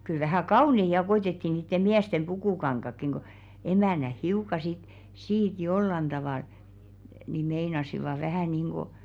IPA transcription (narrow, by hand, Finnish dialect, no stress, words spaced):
kyl ʋæhæˑ kɑunei jɑ koitetːi niːtːe miæstem b̥ukuˑkɑŋkɑkːiŋ ko emæˑnæh hiukɑ sit siːt jolːɑn d̥ɑʋɑˑl ni meinɑsiʋɑˑ ʋæhæˑ niˑŋɡ̊o